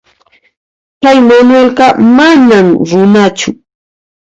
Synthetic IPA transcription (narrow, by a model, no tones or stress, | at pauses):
kajmanwelɢɑmanamɾʊnat͡ʃʊ